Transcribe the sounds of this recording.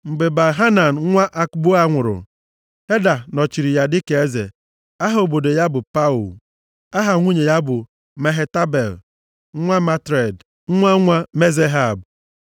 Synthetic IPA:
ŋ͡m̩˨ɡ͡be˨ba˨ɦa˦na˨n̩˨˦ŋʷa˦ʔa˦kbu˦a˦ŋʷʊ˨ɾʊ̰˨ | he˦da˨nɔ˨t͡ʃi˨ɾi˨ja˨dɪ˦ke˨e˦zḛ˨ | a˦ɦa˦o˨bo˨do˨ja˦bʊ˨pa˦u˨l | a˦ɦa˨ŋʷu˦ɲe˨ja˦bʊ˨ | me˨ɦe˦ta˦be˨l | ŋʷa˦ma˦tɾe˨d̩˦ | ŋʷa˦ŋʷa˦me˦ze˦ɦa˨b

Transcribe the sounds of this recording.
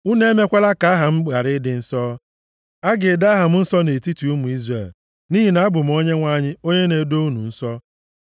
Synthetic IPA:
u˦ne˦me˦kʷa˦la˦ka˨a˦ɦa˨m̩˦ɡ͡ba˨ɾɪ˦dɪ˨n̩˦sɔ˦ | a˦ɡɪ˨da˦a˦ɦa˨m̩˦n̩˦sɔ˦ne˨ti˦ti˨u˦mu˨i˦zre˨l | ni˦ɦi˨na˨a˦bʊ˨m̩˨˦o˦ɲe˦ŋʷa˦ɲɪ˦o˦ɲe˦ne˨˦do˦u˦nṵ˨n̩˦sɔ˦

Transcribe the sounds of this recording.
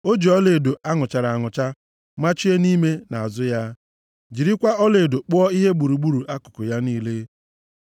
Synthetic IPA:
o˦d͡ʒi˨ɔ˦le˨do˨a˦ŋʊ˨t͡ʃa˨ɾa˨a˨ŋʊ˨t͡ʃa˦ | ma˦t͡ʃi˦e˦ni˦me˦na˨a˨zʊ˦ja˦ | d͡ʒi˨ɾi˦kʷa˦ɔ˦le˨do˨k͡pʊ˦ɔ˦i˦ɦe˦ɡ͡bu˨ɾu˨ɡ͡bu˦ɾu˨ʔa˦kʊ̥˨kʊ˨ja˦niː˦le˦

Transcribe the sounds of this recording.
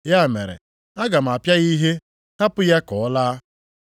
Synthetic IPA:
ja˦˨me˨ɾḛ˨ | a˦ɡa˨m̩˨a˨pja˦ɣi˦ɦe˦ | ha˦pʊ˦ja˦kɔ˨ɔ˦laː˦

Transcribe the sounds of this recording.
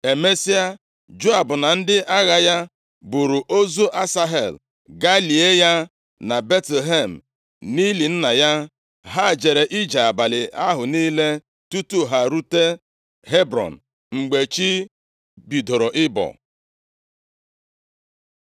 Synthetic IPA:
e˨me˦si˦a˦ | d͡ʒo˦a˨bʊ˨na˨n̩˦dɪ˦ʔa˦ɣa˦ja˦ | bʊ˨ɾu˨ʔo˦zo˦ʔa˦sa˦ɦe˨l | ɡa˦li˨e˦ja˦ | na˨be˦tle˨ɦe˦˨m̩˨ | ni˦li˨n̩˦na˨ja˦ | ɦa˦˨d͡ʒe˨ɾe˨ʔi˦d͡ʒa˨a˨ba˨lɪ˨ʔa˦ɦʊ˨niː˦le˦ | tu˦tu˦ɦa˨ɾu˦te˦ | ɦe˦bɾɔ̰˨n̩˨ | ŋ͡m̩˨ɡ͡be˨t͡ʃi˦ | bi˨do˨ɾo˨ʔɪ˦bɔ̰˨

